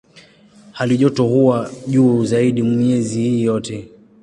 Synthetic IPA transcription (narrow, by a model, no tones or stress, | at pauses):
haliʄɔtɔhuwaʄuːzaiɗimɲɛzihiːjɔtɛ